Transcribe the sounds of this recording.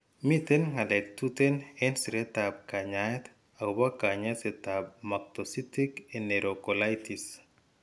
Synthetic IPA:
mitɛnŋalɛk̚tutɛnɛnsiɾetab̚kaɲaɛt̪ | aubakaɲasɛtab̚mak̚tositikɛneɾokɔlajtis

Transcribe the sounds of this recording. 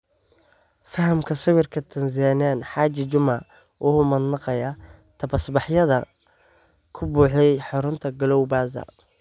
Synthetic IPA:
fɐɦɐmkʰɐsɪwɪrkʰɐt̪ʰɐnsaːnaːnħaːt͡ʃɪt͡ʃʊmɐ | wʔʊhʊmɐd̪nɑqɐjɐ | t̪ʰɐbɐsbɑħjɐðɐ | kʰʊbuːħɛjħɑɾʊnt̪ʰɐɡɐlɔwbaːsɐ̰

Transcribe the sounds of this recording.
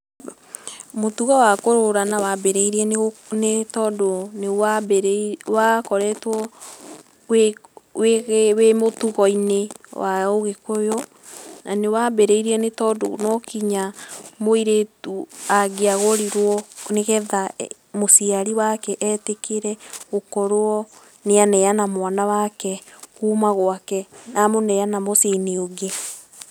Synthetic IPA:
motuɣɔwakoɾoɾanawabeɾeiɾiɛneɣnetɔːdonewabɾwakɔɾɛtwɔ | weweɣwemotuɣɔinewaoɣekojɔ | nʔanewabeɾeiɾiɛnetɔdo̰nɔkiɲamoiɾetuaɡeaɣoɾiɾwɔneɣɛða | mosiaɾiwakɛʔɛtekeɾɛɣokɔɾoɔ | neanɛjanamwanawakɛkuːmaɣoakɛnamonɛjanamoseneoɡe

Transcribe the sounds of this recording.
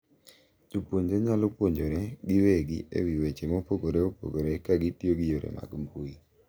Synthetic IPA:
tupwoɲd͡ʒoɲalopwoɲd͡ʒoɾeɡɪweɡḭḛwiwet͡ʃemopoɡoɾeopo̰ɡoɾekaɡitjoɡijoɾḛma̰ɡmbui

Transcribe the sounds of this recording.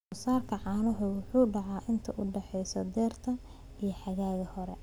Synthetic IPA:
ʊsaːrkʰɐʕɑːnʊɦʊwʊħuːɖɑʕɑːʔɪnt̪ʰɐʔʊɖɛħɛjsɔd̪ɛːrt̪ʰɐ | ijɞħɑɣaːɣɐhɔɾɛ

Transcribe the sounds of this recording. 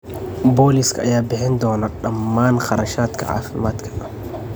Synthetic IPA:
boːlɪskʰɐʔɐjaːbɪħɛnd̪ɔːnɐɗɐmːaːnqɑɾɐʃaːt̪kʰɐ̰ʕa̰ːfɪmaːt̪kʰɐ̥

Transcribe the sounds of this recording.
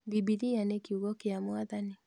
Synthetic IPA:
bibiɾianekiuɣɔkeamwaðani

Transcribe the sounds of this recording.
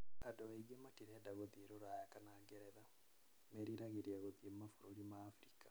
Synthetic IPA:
adɔβaiɡematiɾɛdaɣoðieɾoɾwajakanaɡɛɾɛða | meɾiɾaɣeɾiaɣoðiemafoɾoɾimaːfɾikḁ

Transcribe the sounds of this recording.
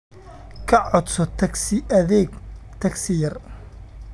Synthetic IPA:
kʰɐʕɔd̪sɔt̪ʰɐsɪɐðɛːɡt̪ʰɐksɪjɐr

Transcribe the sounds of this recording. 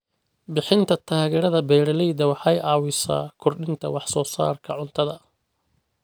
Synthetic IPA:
bɪħɪnt̪ʰɐt̪ʰaːɣɛːɾɐðɐbɛːɾɐlɛjd̪ɐwɑħɑjɑːwɪsa̰ːkʰʊrɖɪnt̪ʰɐ̰wɑħsɔːsa̰ːrkʰɐʕʊnt̪ʰɐðɐ

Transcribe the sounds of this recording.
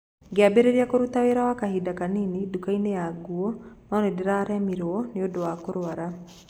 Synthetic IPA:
ɡeabeɾeɾiakoɾutaweɾawakahidakaninidukainejaɡuɔnɔnedeɾaɾɛmiɾɔneodowakoɾoaɾa

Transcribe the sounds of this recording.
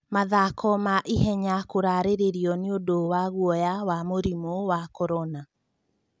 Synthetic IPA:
maðakʰɔmaʔiɦɛɲakoɾaɾeɾeɾiɔneodowaɣwɔjawamoɾimowakɔɾɔna

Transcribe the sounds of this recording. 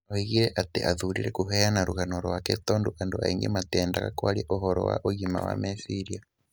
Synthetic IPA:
hiɣiɾeʔateʔaðuɾiɾekuɦejanaɾuɣanoɾwaketoːnduʔandoaiŋɡḛmateːndaɣakwaɾjeʔoɦoɾo̰wa̰ʔoɣima̰wa̰mesiɾia

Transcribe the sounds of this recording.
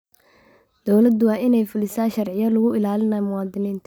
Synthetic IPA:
d̪̥ɔwlɐd̪ʊwɑːɪnɛjfʊlɪsaːʃɐrʕɪjɐlʊɣʊʔɪlaːlɪnɐːmʊwɑːd̪ɪniːnt̪ʰ

